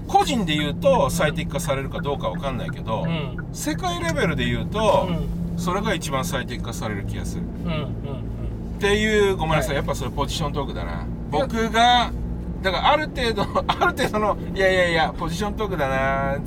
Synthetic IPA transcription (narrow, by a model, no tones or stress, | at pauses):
ko̞ʑĩnd̪e̞jɯ̟ːt̪o̞sait̪ekːasaɾe̞ɾɯ̟kad̪o̞ːkaβa̰kãnːa̰ḭke̞d̪o̞ | se̞kaiɾe̞be̞ɾɯ̟d̪e̞jɯ̟ːt̪o̞so̞ɾe̞ɡait͡ɕibãɰ̃sait̪ekːasaɾe̞ɾɯ̟kʲiɡa̰sɨ̰ | t̪e̞jɯ̟ːɡo̞maɾasajapːaso̞ɾepo̞ʑiɕõ̞nt̪o̞ːkɯ̟d̪a̰na̰ | bokɯ̟ɡa | d̪akaɾaːɾɯ̟t̪e̞ːd̪oaɾɯ̟t̪e̞ːd̪ono | ijaijaijapo̞d͡ʑiɕõ̞nt̪oːkɯ̟d̪ana